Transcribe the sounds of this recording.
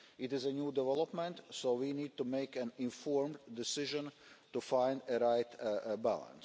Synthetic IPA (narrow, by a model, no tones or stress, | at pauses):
ʔɪtɪzənjuːdɛvɛlˠɔpmɛ̃ntsoʊwiniːd̚tumeɪkæ̃nɪ̃nfɔɹmdɪsɪʒə̃ntufãɪ̃ndəɾaɪtbæ̰lˠə̰̃ns